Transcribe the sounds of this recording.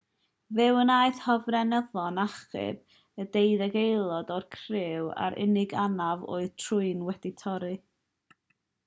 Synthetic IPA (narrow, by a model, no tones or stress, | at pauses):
vɨwənaːɨθhɔvrɛnəðɔnaχɨ̰b | ədejðɛɡejlˠɔdɔrkʰrɪwa̰ɾʔɪ̰nɪɡanavɔ̰ːɨtʰrʊɨnwɛdɪtʰɔɾɨ